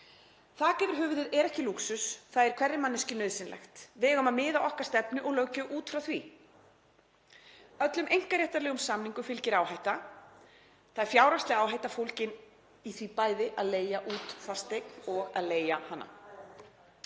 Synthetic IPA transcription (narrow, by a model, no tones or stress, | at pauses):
θaðcɛːvɪɾ̥ɦʏːvʏðɪðɛɾɛhcɪluksʏsθaðɛɾ̥kʰvɛrːɪmanːɪscɪnœːðsɪnlɛ̰xt̪vɪɣœmaðmɪːðawʔɔhkḁst̪ɛpnʏʔɔɣlœwcʏʔuːt̪fɾawθvi | œt̪lʏmejŋ̥kaɾjɛht̪aɾlɛɣʏmsamniŋkʏfɪlcɪɾaːwhajht̪a | θaðɛɾ̥fjaːwɾast̪lɪaːwɦajt̪afowl̥cɪn | iθvipaːjðɪʔaðleːjaʔuːt̪fast̪eknɔɣaðleːjahanːa̰